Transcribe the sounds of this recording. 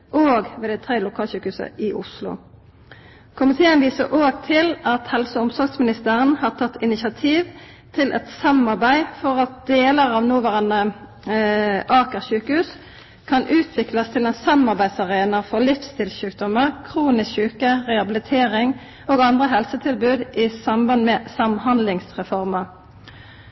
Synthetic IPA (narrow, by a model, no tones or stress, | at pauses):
ʔoːɡʋeːd̪æɪt̪ʰʁeːlʊkʰɑːlɕʉːkəhʉːsə̰ɪʔʊ̰slʊ̰ | kʰʊmɪt̪ʰeːənʋiːsəʁʔoːɡt̪ʰɪlɑt̪hɛlsəʊmsɔʁɡsmɪnɪst̪əʁənhɑːʁt̪ʰɑt̪ʰːɪnɪsɑt̪ʰiːʋ | t̪ʰɪlʔɛ̰t̪sɑmɑʁbæɪfɔʁɑt̪̚d̪̥eːləʁɑːʋnuːʋæːʁɑnə | ʔɑːkəʁʃʉːkəhʉːs | kʰɑnʔʉːt̪ʰʋɪklɑst̪ʰɪlɛnsɑmɑʁbæɪd̪sɑʁeːnɑfɔʁlɪfst̪ʰɪlʃʉːk̚d̪ɔməʁkʰʁuːnɪskɕʉːkəʁɛɑbɪlɪt̪ʰeːʁɪŋ | oːɡɑnd̪ʁəɦɛlsət̪ʰɪlbʉːd̪ʔɪsɑmbɑnmɛsɑmhɑnd̪lɪŋsʁɛfɔʁmɑ